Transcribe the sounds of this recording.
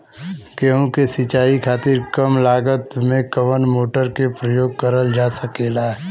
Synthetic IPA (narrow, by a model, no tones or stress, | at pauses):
keɦũkesɪt͡ʃaːikʰaːt̪ɪɾkəmlaːɡət̪mẽkəʋənmoːʈəɾkepɾəjoːɡ̚kəɾəld͡ʒaːsəkeːlaːɛ